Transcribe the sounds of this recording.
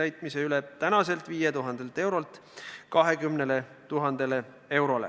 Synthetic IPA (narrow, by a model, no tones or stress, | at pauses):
æjt̪ˑmise̞ylet̪ænɑse̞lt̪viːjet̪uɦɑnd̪̥e̞lt̪e̞wɾo̞lt̪ | kɑɦe̞kymnele | t̪uɦɑnd̪̥ele | e̞wɾo̞lḛ